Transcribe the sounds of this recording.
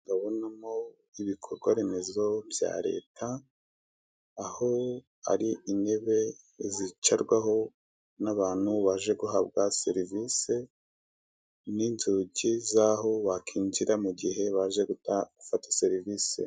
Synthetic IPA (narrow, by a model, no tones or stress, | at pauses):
ŋɡaβo̞namo | iβikʰo̞ɾɡwaɾenezo̞bja̰ːɾe̞̰ːtʰa | ho̞ | a̰ɾiine̞βe̞ | zit͡ʃaɾɡwaho̞ | naβaːn̥huβaːʒe̞ɡuɦabɡase̞ɾivise̞ | ninzuːɟizaɦo̞βakʰiːɲd͡ʒiɾamuɟiɦe̞βaʒe̞ɡutaɡ̥ufatḁseɾiviːsḛ